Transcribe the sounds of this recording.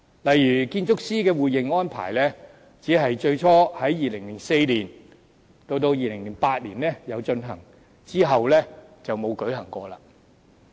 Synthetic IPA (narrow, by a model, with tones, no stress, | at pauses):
lɐ˨jɥyː˨˩kiː˧nt͡sʊ˥k̚siː˥kɛː˧wuː˨jɪ˨˩ŋɔː˥npʰa̰ː˨˩jlɛː˥ | t͡siː˨˥ɦɐ˨jt͡ʃɵ˧ɥt͡ʃʰɔː˥hɐ˨˥jjiː˨lɪ˨˩ŋlɪ˨˩ŋse˧jliː˨˩n | t̪o˧wt̪o˧wjiː˨lɪ˨˩ŋliː˨˩npaː˧t̚lḭː˨˩nlɛː˥jɐ˨˧wt͡ʃɵ˧nɦɐ̰˨˩ŋ | t͡siː˥ɦɐ˨wlɛː˥t͡sɐ˨wmo˨˧wkɵ˨˥ɥɦɐ˨˩ŋkʷɔː˧la̰ː˧